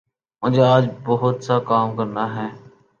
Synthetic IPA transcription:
mʊ̃ːd͡ʒeːaːd͡ʒbəɦʊt̪saːkaːmkəɾnaːɦẽː

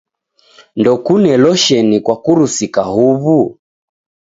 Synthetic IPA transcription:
ndɔkunɛlɔʃɛnikwakuɾusikahuβu

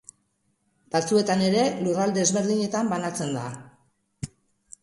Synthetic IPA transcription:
bat͡sue̞t̪ane̞ɾe̞lurald̪ezβe̞ɾð̞iɲe̞t̪ambanat͡se̞nd̪a

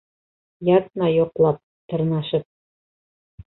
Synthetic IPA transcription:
jɑt̪nɑjŏqlˠɑp̚ | t̪ɤ̆ɾnɑʃɤp̚

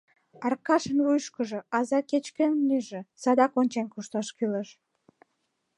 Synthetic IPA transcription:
ɑrkɑʃənβujʃkəʒoɑzɑket͡ɕkənnyʒĕsɑd̪ɑkonʲt͡ɕenkuʃt̪ɑʃkyləʃ

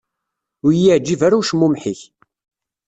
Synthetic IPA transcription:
ʊɾjiʕd͡ʒːivæɾuʃmumħiç

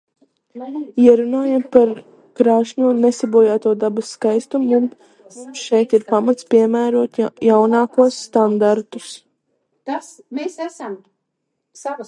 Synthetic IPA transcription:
iɛɾunaːjampaɾ | kɾaːʃɲuːnesibuɔjaːt̪uɔd̪abasːkajst̪umun | mumsʃɛjt̪iɾpamat̪spʲiɛmæːɾuɔt̪jawnaːkuɔsːt̪and̪aɾt̪us | t̪as | mesæsam | sa

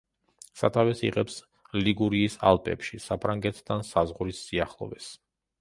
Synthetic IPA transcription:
sa̰t̪ʰavɛsḭʁɛps | liɡuɾiːsa̰lˠpʼɛ̰pʃisapʰɾaŋɡɛt̪ʰd̪ansazʁɾisːiaχlˠɔ̰vɛs

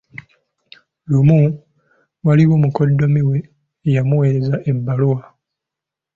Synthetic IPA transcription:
lumu | waliwoːmukodːomiwe̞ː | jamuwe̞ːɾezaʔebːalowa

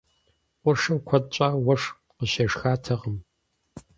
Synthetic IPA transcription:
ʔʷʊʂɐmkʷʰɐdɕʷʼaːwɐʂ | qəɕɐʂxaːtʰɐʁəm

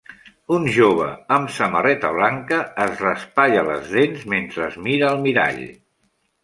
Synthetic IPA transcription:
unʒoβ̞ə̰əmsəmərɛt̪əβ̞laŋkəːzrəspaʎələ̰zðenzment̪ɾəːzmiɾəːlˠmiɾa̰ʎ

